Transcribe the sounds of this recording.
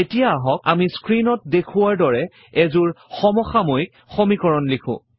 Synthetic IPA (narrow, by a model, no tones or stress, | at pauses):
etijaːɦɔk̚a̰miskɹinɔt̚dekʰʊwaɹdɔɹɛ | ɛzuɹxɔmɔxamojk̚ | xomikɔɹɔnlikʰʊ̰̃